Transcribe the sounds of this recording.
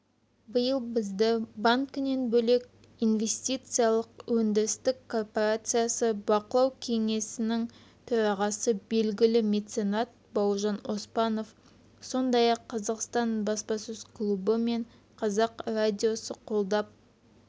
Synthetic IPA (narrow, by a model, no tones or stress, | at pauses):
bəjəlˠbɪzd̪ɪbaŋkʲɪne̞nbɵle̞k̚ʲ | inve̞st̪ijt̪sɨjalˠəqwɵnd̪ɪɾɪst̪ɪkkʰːo̞rpoɾat̪sɨjasəbɑqəlˠɑwkʲʰe̞ŋe̞sɪnɪŋ | t̪ʰɵɾɑʁɑsəbe̞lɡʲɪlɪmʲe̞t̪se̞nat̪̚ | bɑwʒɑno̞spɑno̞f | so̞nd̪ɑjɑqʰːɑzɑqst̪ɑnbɑspɑsʏzkʰlˠubəme̞ɴ | qʰɑzɑqrad̪ʲijo̞səqʰo̞lˠd̪ɑp̚